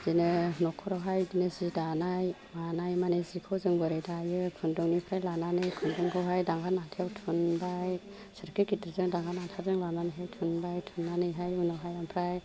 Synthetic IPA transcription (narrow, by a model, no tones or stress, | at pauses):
z̥inɯnɔkʰɔɾawɦajdinɯzidanaj | manajmanezikʰɯwzɯŋbɯɾɯjdajɯkʰɯndɔŋnipʰɾajlananɯjkʰɯndɔŋkʰɔwɦajdaŋɡanatʰewtʰunbaj | sɯɾkʰikitʰɾzɯŋdaŋɡʰanatʰazɯŋlananɯjɦajtʰunbajtʰunːanɯjɦajunɔwɦajampʰɾaj